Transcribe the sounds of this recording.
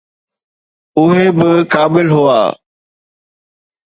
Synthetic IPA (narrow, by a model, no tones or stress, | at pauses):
ʊɦebɪkaːbɪlɦʊa̰ː